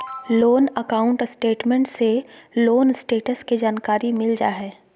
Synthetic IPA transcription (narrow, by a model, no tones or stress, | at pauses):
loːnəkaːʊ̃ɳʈsʈeːʈmẽɳʈseloːnsʈeːʈəskid͡ʒaːnkaːɾimɪld͡ʒaːɦɛː